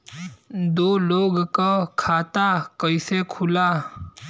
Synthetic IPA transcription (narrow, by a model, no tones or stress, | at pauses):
d̪oloɡkakʰat̪akəisekʰula